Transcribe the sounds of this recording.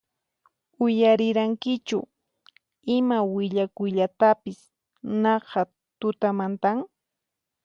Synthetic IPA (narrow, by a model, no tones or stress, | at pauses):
ʊjaɾɪɾaŋkɪt͡ʃʊ̰ | ɪmawɪʎakʊjʎat̪apɪs | nɑqɑ | t̪ʊt̪amant̪aŋ